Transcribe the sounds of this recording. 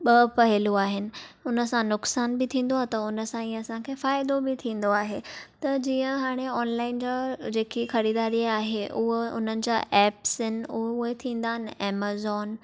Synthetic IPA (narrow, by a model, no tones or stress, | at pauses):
ɓɐpɐɦɪluaːɦɪnɪ̆ʊnəsãnːʊksaːnbɪt̪ʰĩːnd̪oaɦet̪ɐʊnə̆sãĩːɐsãkʰeːfaːɪd̪obɪt̪ʰĩːn̆d̪oaːɦeːt̪ɐd͡ʑiːə̃ɦaːɽ̃eɔːnlaːɪnd͡ʑaːd͡ʑeːkixɐɾiːd̪aːɾiaːɦeʔʊɦeʊ̰n̤ənɪ̆d͡ʑa̰ːʔɛːpsɪnɪ̆ʊɦʊɦet̪ʰĩːnd̪aːɦɪnɛːmaːzɔːn